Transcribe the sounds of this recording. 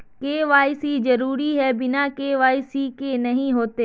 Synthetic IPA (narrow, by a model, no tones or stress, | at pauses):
keːʋaːɪsizɐɾuːɾiɦɛbɪnakeːʋaːɪsikenɐɦĩɦoːt̪eː